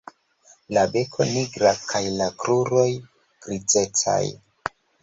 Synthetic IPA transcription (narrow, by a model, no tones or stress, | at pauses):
labe̞kʰo̞̰niɡɾakʰajlakɾuɾo̞j | ɡ̥ɾid͡ze̞t͡sa̰j